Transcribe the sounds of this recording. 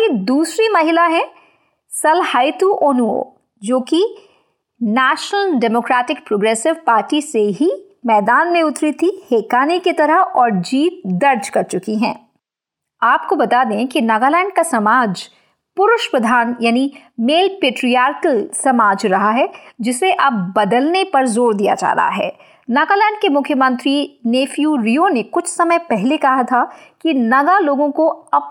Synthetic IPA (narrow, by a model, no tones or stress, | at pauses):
jed̪uːsɾimɐɦɪlaɦɛ̃ | sɐlhaːɪt̪uʔoːnuo̰ː | d͡ʒoːki | nɛːʃnəlɖɛmoːkɾaːʈɪk̚pɾoːɡɾɛːsɪʋpaːɾʈiseɦi | mɛːd̪aːnmẽʊt̪ɾit̪ʰiheːkaːneket̪ɐɾəɦɔːɾd͡ʒiːt̪̚d̪ɐɾd͡ʒkɐɾt͡ʃʊkiɦɛ̰̃ː | aːp̚kobɐt̪ad̪ẽkinaːɡaːlɛ̃ːɳɖ̚kasɐmaːd͡ʒ | pʊɾʊʃpɾɐd̪ʱaːnjaːni | meːlpeːʈɾijaːɾksɐmaːd͡ʒɾɐɦaɦɛd͡ʒɪseʔɐb̚bɐd̪əlnepɐɾzoːɾd̪ija̰d͡ʒa̰ːɾɐ̰ɦa̰ɦɛ̰ː | naːɡalɛ̃ːɳɖ̚kemʊkʰjəmə̃nt̪ɾineːfjuːɾijonekʊt͡ʃʰsɐməjpɛɦlekɐɦat̪ʰakinɐɡaloːɡõkoɐ